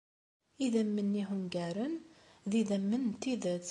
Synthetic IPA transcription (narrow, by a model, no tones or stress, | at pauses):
iðæmːənːiɦʊmɡæɾənðiðæmːənt̪ːiðət͡s